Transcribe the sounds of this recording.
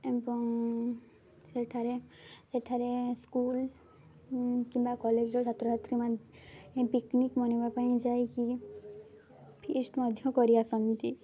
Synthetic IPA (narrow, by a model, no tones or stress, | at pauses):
ebɔŋ | seʈʰaɾeseʈʰaɾeskuːl | kimbakɔled͡ʒɾɔt͡ʃʰat̪ɾɔɦat̪ɾimanẽpiknikmɔnemapaĩd͡ʒaiki | pʰiːsʈmɔd̪ʱjɔ̃kɔɾiasɔnt̪i